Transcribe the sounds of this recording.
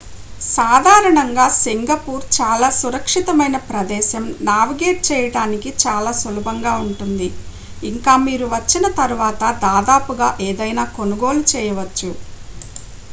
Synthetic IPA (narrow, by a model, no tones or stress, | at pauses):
saːd̪ʱaːɾɐɳɐŋɡaːsiŋɡɐpuːɾt͡ʃaːlaːsuɾɐkʂit̪ɐmɐjnɐpɾɐd̪ɛːʃɐmnaːʋiɡeːʈ̚t͡ʃɛːjɐɽaːnikit͡ʃaːlaːsɐlɐbʱɐŋɡaːuɳʈund̪iː | ŋkaːmiːɾuʋɐt͡ʃːinɐt̪ɐɾuʋaːt̪ɐd̪aːd̪aːpuɡaːʔeːd̪ɐjnaːko̞nuɡo̞ːlut͡ʃɛːjɐʋɐt͡ʃːu